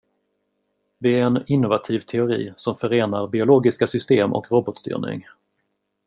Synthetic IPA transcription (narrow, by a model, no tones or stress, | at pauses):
d̪ɛæɾɛnɪnːʊvat̪ʰiːvt̪ʰɛʊɾḭːsɔmfœɾeːnaɾbɪʊloːɡɪskasʏst̪eːmʔɔ̰kɾɔbɔt̪st̪y̰ːɾɳɪ̰ŋ